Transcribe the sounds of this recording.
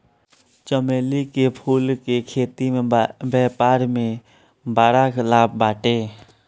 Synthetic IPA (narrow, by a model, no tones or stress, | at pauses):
t͡ʃəmeːlikepʰuːlkekʰeːt̪imẽbɛːpaːɾmẽ | baːɾaɡlaːpbaːʈeː